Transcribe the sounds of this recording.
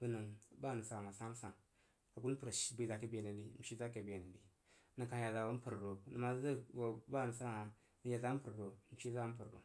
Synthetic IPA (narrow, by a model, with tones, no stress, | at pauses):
bə˦nə˨ŋba˦˨nə˨sa˦˨ŋa˨sa˦m˦sa˨ŋ | a˨ɡu˦n˦pə˨ɾa˨ʃi˦bi˨za˨ke˦be˨ni˨di˨˦m̩˨ʃi˦za˦ke˨be˨nə˨di˨ | nə˨ka˨ja˨za˨wo˦pə˨ɾɾo˨nə˨ma˨zə˦wo˨ba˦˨nə˨sa˦˨ŋa˨ | n˦ja˨za˦pə˨ɾɾo˨n̩˨ʃi˦za˦m̩˦pə˨ɾɾo̰˨